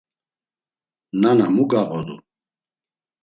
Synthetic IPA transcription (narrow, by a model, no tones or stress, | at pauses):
nanamuɡaɣɔd̪ṵ